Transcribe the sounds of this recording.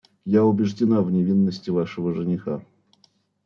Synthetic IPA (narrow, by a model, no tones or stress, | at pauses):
jaʊbʲɪʐdʲɪnavnʲɪvʲinːəsʲtʲɪvaʂəvəʐɨnʲɪxa